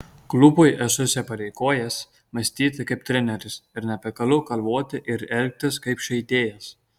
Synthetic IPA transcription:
klˠʊbʊɪʔɛsʊsʲɛpɐɾʲɛɪkoːjɛs | mɐsʲt̪ʲiːt̪ɐkɐɪp̚t̪ʲɾʲɛnʲɛɾʲɪsɪɾnʲɛpʲɛkɐlˠʊkɐlˠʋoːt̪ʲɪʔɪɾɛlʲk̚t̪ʲɪskɐɪpʃʲɛɪt̪ʲeːjɛs

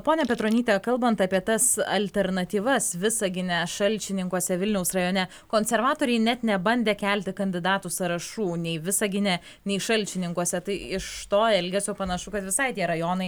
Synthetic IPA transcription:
poːnʲɛpʲɛt̪ɾoːnʲiːt̪ʲɛkɐlˠbɐnt̪ɑːpʲiɛt̪ɐsɐ̰lʲt̪ʲɛɾnɐt̪ʲiːʋɐsʋʲɪsɐɡʲɪnʲɛʃɐlʲt͡ʃʲɪnʲɪŋkuɔsʲɛʋʲɪlʲnʲɛʊsrɐjoːnʲɛ | koːnʲsʲɛɾʋɑːt̪oːɾʲɛɪnʲɛt̪nʲɛbɐnʲd̪ʲeːkʲælʲt̪ʲɪkɐnʲd̪ʲɪd̪ɑːt̪usɐɾɐʃuːnʲɛɪʋʲɪsɐɡʲɪnʲɛ | nʲɛɪʃɐlʲt͡ʃʲɪnʲɪŋkuɔsʲɛt̪ɐɪɪʃt̪oːɛlʲɡʲɛsʲoːpɐnɐʃʊkɐt̪ʋʲɪsɐɪtʲiɛɾɐjoːnɐɪ

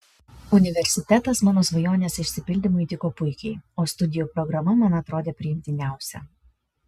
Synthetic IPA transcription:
ʊnʲɪʋʲɛɾʲsʲɪt̪ʲɛt̪ɐsmɑːnoːsʋɐjoːnʲeːsɪʃʲsʲɪpʲɪlʲd̪ʲɪmʊit̪ʲɪkoːpʊɪkʲɛɪoːst̪ʊd̪ʲɪjuːpɾɔɡɾɐmɐmɑnɐt̪ɾoːd̪ʲeːpʲɾʲɪjɪmʲt̪ʲɪnʲæˑʊsʲɛ̰

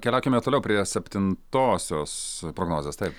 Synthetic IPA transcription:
kʲɛlʲæʊkʲɪmʲeɛt̪oːlʲɛʊpʲɾʲiɛsʲɛpʲt̪ʲɪnt̪oːsʲoːspɾoːɡnoːzʲeːst̪ɐɪp

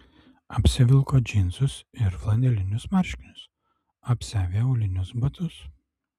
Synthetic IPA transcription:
ɐpʲsʲɪʋʲɪlˠkoːd͡ʒʲɪnzʊsɪɾflˠɐnʲd̪ʲɛlʲɪnʲʊsmɐɾʲʃʲkʲɪnʲʊs | ɐpʲsʲæːʋʲeːɐʊlʲɪnʲʊsbɐt̪ʊs

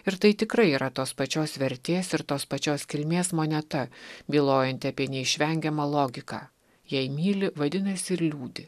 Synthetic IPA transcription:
ɪɾt̪ɐɪt̪ʲɪkɾɐɪiːɾʔɐt̪oːspɐt͡ʃʲoːsʋʲɛɾʲt̪ʲeːsɪɾt̪oːspɐt͡ʃʲoːskʲɪlʲmʲeːsmoːnʲɛt̪ɐbʲiːlˠoːjɛnʲt̪ʲɪɐpʲiɛnʲɛɪʃʲʋʲɛŋʲɡʲɛmɐlˠoːɡʲɪkɑː | jɛɪmʲiːlʲɪʋɐd̪ʲɪnɐsʲɪɪɾlʲuːd̪ʲɪ

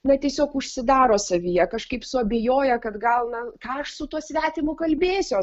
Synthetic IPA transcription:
nɐt̪ʲiɛsʲoːkʊʃʲsʲɪd̪ɑːɾoːsɐʋʲijɛkɐʃkɐɪpsʊɐbʲejoːjɛkɐt̪ɡɐlˠnɐkɑɐʃsʊt̪uɔsʲʋʲæːt̪ʲɪmʊkɐlʲbʲeːsʲoː

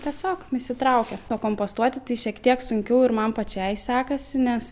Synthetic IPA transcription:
t̪ʲiɛsʲoːkmʲɪsʲɪt̪ɾɐʊkʲɛoːkoːmpoːst̪uɔt̪ʲɪt̪ɐɪʃʲiɛkt̪ʲiɛksʊŋʲkʲɛʊɪɾmɐmpɐt͡ʃʲɛɪsʲæːkɐsʲɪnʲɛs

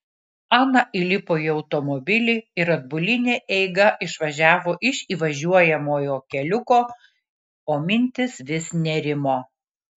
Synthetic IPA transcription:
ɑːnɐʔɪlʲɪpoːjiɒʊt̪ɔmɔbʲɪlʲɪɪɾɐd̪̚bʊlʲɪnʲeːʔɛɪɡɐʔɪʃʋɐʒʲæːʋoːʔɪʃʲiːʋɐʒʲuɔjɛmoːjoːkʲɛlʲʊkoː | oːmʲɪnʲt̪ʲɪsʋʲɪsnʲɛɾʲɪmoː

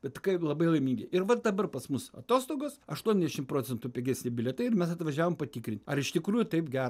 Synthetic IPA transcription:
b̥ʲɛtʲɪkɐɪlˠɐbɐɪlˠɐɪmʲiŋɡʲɪʔɪrʋɐd̪ɐbɐrpɐsmʊsɐ̰t̪oːst̪oːɡoːsɐʃt̪uɔnʲɛzd̪ʲɛʃʲɪmpɾoːt͡sʲɛnt̪uːpʲɛɡʲæːsʲnʲɪbʲɪlʲɛt̪ɐɪɪɾmʲɛsɐt̪ʋɐʒʲæːʋoːmpɐt̪ʲikɾʲɪnʲt̪ʲɐɾɪʃt̪ʲɪkɾuːjut̪ɐɪpɡʲæːɾ

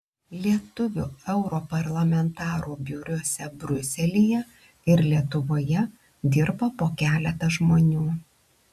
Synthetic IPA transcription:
lʲiɛt̪ʊʋʲṵːɛʊɾoːpɐɾlˠɐmʲɛnt̪ɑːɾuːbʲjuːɾʲuɔsʲɛbʲɾʲʊsʲɛlʲijɛ | ɪɾlʲiɛt̪ʊʋoːjɛ | d̪ʲɪɾboːpoːkʲæːlʲɛt̪ɐʒmoːnʲuː

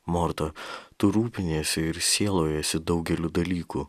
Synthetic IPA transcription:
mɔɾt̪ɐt̪ʊɾuːpʲɪnʲeːsʲɛɪɾsʲeːlˠoːjɛsʲɪd̪ɒʊɡʲɛlʲʊd̪ɐlʲiːkuː

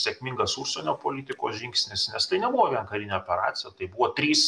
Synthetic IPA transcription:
sʲekmʲɪŋɡɐsuʃʲsʲɛnʲoːpoːlʲiːt̪ʲɪkoːsʒʲɪŋksʲnʲɪsnʲɛst̪ɐɪnʲɛbuʋoʋʲiɛnkɐɾʲɪnʲɛopʲɛɾɑ̰ːsʲɪjɛt̪ɐɪbuʋoːt̪ʲɾʲiːs

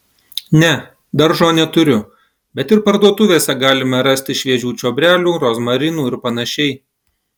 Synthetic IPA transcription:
nʲɛ | d̪ɐɾʒoːnʲɛt̪ʊɾʲʊ | bʲɛt̪ɪɾpɐɾd̪uɔt̪ʊʋʲeːsʲɛɡɑːlʲɪmɐɾɐsʲt̪ʲɪʃʲʋʲiɛʒʲuːt͡ʃʲoːbʲɾʲæːlʲuːɾoːzmɐɾʲɪnuːɪɾpɐnɐʃʲɛɪ

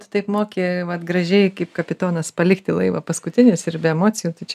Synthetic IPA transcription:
t̪ʊt̪ɐɪpmoːkʲeːʋɐt̪ɡɾɐʒʲɛɪkɐɪpkɐpʲɪt̪oːnɐspɐlʲɪkt̪ʲɪlˠɐɪʋɐ̰pɐskʊt̪ʲɪnʲʊsɪɾbʲɛɛmoːt͡sʲɪjuːt̪ɐɪt͡ʃʲɛ

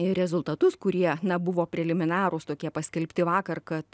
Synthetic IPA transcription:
ɪɾʲɛzʊlˠt̪ɐt̪ʊskʊɾʲiɛnɐbʊʋoːpʲɾʲɛlʲɪmʲɪnɑːɾʊst̪oːkʲiɛpɐsʲkʲɛlʲpʲt̪ʲɪʋɑːkɐrkɐt̪

